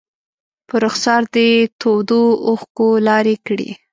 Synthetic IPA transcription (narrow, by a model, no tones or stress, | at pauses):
pəɾʊxsɑɾd̪ət̪ʰod̪oʊxkolɑɾekɽḭ